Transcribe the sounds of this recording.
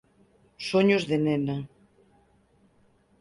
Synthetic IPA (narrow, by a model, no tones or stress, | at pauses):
soɲozðenena